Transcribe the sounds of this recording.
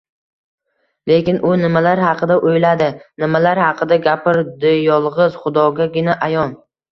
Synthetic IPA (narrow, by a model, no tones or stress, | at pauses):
le̞kʲɪnʔʊnɪmalaɾhɑqʰɨd̪aʔojlad̪ɪnɪmalaɾhɑqʰɨd̪aɡʲapɪɾd̪ɪjɒlˠʁɨz̥χʊd̪ɒɡʲaɡʲɪnaʔajɒn